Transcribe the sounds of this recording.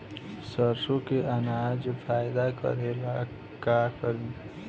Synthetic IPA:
səɾsõkeʔanad͡ʒpʰaːjd̪akə̰ɾela | kakəɾi

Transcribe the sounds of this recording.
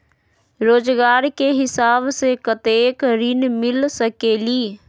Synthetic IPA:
ɾoːd͡ʒɡaːɾkeɦɪsaːbsekət̪eːkɾinmɪlsəkeːliː

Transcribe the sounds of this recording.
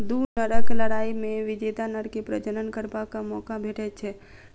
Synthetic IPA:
d̪unəɾəkləɽaːimẽʋɪd͡ʒet̪anəɽkipɾəd͡ʒəɾənkəɾbakamɔːkabʱeʈɛt͡ʃʰɛ

